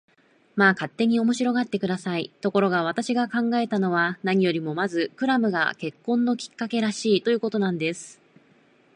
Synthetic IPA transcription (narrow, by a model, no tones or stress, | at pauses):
maːkat̪ːe̞ɲ̟io̞mo̞ɕiɾo̞ɡat̪ːe̞kɯ̟d̪asait̪o̞ko̞ɾo̞ɡaβ̞at̪aɕiɡakãŋɡae̞t̪ano̞β̞anaɲ̟ijo̞ɾʲimo̞mazɨkɯ̟ɾamɯ̟ɡa̰ke̞kːõ̞nːo̞kʲi̥kːake̞ɾaɕiːt̪o̞jɯ̟ːko̞t̪o̞nãnd̪e̞sɨ̥